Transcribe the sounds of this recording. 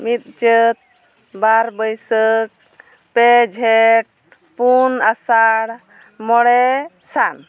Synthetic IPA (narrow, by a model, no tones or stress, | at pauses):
mit̪̚t͡ʃət̪̚ | baɾbəjsək̚ | pɛd͡ʒʱɛʈ̚ | punasaɽ | mɔɽɛ | san